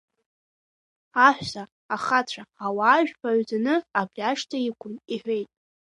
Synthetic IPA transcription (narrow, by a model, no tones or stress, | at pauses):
aħʷᶣsaː | χat͡ɕʷʰaːwaːʒᶣpʰaɥd͡zanɨabrʲaʂtʰaikʷʰʊniħʷᶣejtʼ